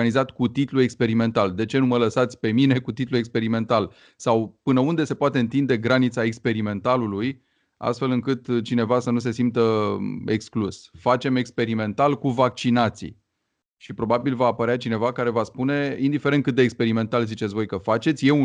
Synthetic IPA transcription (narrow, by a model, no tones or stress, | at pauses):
anizat̪kut̪it̪luekspe̞ɾime̞nt̪ald̪e̞t͡ʃe̞numələsat̪sʲpe̞mine̞kut̪it̪luekspe̞ɾime̞nt̪al | sawpɨnəund̪e̞se̞poat̪e̞ɨnt̪ind̪e̞ɡɾanit̪sae̞kspe̞ɾime̞nt̪aluluj | a̰st̪fe̞lɨŋkɨt̪t͡ʃine̞vasənus̬e̞simt̪əeksklusfat͡ʃe̞me̞kspe̞ɾime̞nt̪alkuvak̚t͡ʃinat̪sḭ | ʃipɾo̞babilvaːpəɾeat͡ʃine̞vakaɾe̞vaspune̞ind̪ife̞ɾent̪kɨt̪̚d̪ekspe̞ɾime̞nt̪alzit͡ʃet̪svo̞jkəfat͡ʃe̞t̪sʲje̞u